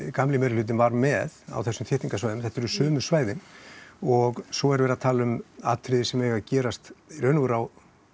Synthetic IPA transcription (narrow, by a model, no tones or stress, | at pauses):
kamlɪmɛɾɪlʏːt̪̬ɪnvaɾmɛða̰wθɛsːʏmθʰɪht̪iŋkasvaːjðʏmθɛht̪ːɛɾʏsœːmʏsvaːjðɪn | ɔɣsɔɛɾvɛːɾaðt̪ʰaːlʏma̰t̪ʰɾɪðɪsɛmɛːɣacɛːɾast̪rœːnʏɣʏɾaw